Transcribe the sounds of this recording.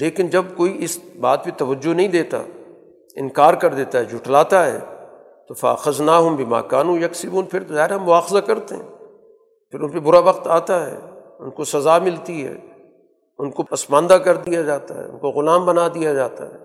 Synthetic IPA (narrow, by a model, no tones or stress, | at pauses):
leːkɪnd͡ʒɐbkoːiʔɪsbaːt̪̚pet̪ɐʋɐd͡ʒːonɐɦĩd̪eːt̪a̰ | ɪ̰̃nkaːɾkɐɾd̪eːt̪aɦɛd͡ʒʱʊʈlaːt̪aɦɛ̰ː | t̪ofɐa̰ːxɐznaːɦʊmbɪma̰ːkaːnũjɐksɪbuːnpʰɪɾt̪ozaːɦɪɾamʊaːxɪzakɐɾt̪eɦɛ̰̃ː | pʰɪɾʊnpebʊɾaʋɐqt̪aːt̪aɦɛ̰ː | ʊnkosɐzaːmɪlt̪iɦɛ̰ː | ʊnkopɐsmãːnd̪akɐɾd̪ijad͡ʒaːt̪a̰ɦɛ̰ːʊ̰nkoɣʊlaːmbɐnad̪ijad͡ʒaːt̪a̰ɦɛ̰ː